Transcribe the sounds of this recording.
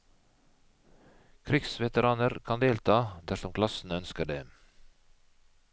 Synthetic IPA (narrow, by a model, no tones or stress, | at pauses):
kʰɾɪksʋɛt̪əɾɑːnəɾkʰɑnd̪eːlt̪ʰɑːd̪æʂɔmkʰlɑsn̩œnskəɖḛː